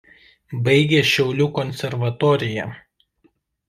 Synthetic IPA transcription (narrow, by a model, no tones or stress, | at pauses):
bɐɪɡʲeːʃʲɛʊlʲuːkɔnʲsʲɛɾʋɐt̪ɔːɾʲɪjɛˑ